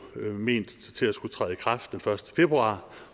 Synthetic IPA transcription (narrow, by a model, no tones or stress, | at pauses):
me̝̰ːn̰d̥t͡sʰe̝læsɡ̥ut͡sʰʁɛ̰ːðˠikʰʁɑ̈fd̥enfɶɐsd̥ə̥fe̝b̥ʁuɑ̰̈ː